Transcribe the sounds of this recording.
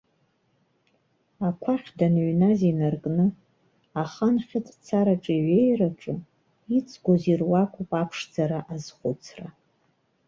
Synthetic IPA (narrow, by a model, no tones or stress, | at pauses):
akʷʰaχʲdanɥnazinarkʼnɨ | aχanχʲɪtʼt͡sʰaɾaʈ͡ʂʼiɥejraʈ͡ʂʼɨ | it͡sʼʰɡʷozirwakʷʼupʼapʰʂd͡zaɾaʔazχʷʊt͡sʰra